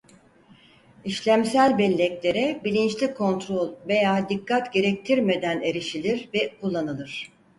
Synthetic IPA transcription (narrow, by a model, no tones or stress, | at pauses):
iʃlʲæmsælʲbɛlʲːɛclʲe̞ɾɛbilʲint͡ʃlʲikʰo̞nt̪ɾo̞lʲve̞jaːd̪ikʰːat̪ɟe̞ɾɛc̚t̪ʰiɾme̞d̪æne̞ɾiʃilʲiɾvɛkulˠːanɯlˠɯɾ̝̥